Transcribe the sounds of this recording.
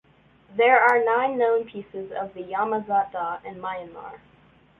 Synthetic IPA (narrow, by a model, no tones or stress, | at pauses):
ðə˞aɹnãɪ̃nːõʊ̃npʰisɪzʌ̰vðɨjɑməzɑtəɨ̃nmaɪɨ̃nmɑ̰ɹ